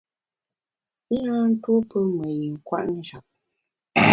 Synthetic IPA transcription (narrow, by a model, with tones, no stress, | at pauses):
na˦n̩˦twu˦pə˦mə˨ji˨ŋ̩˨kwa̰˦ʔnə˦˨ʒa˨p̚